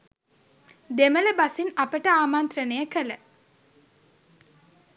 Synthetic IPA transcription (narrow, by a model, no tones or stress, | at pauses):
d̪emələbasinapəʈəaːmant̪rənəjəkələ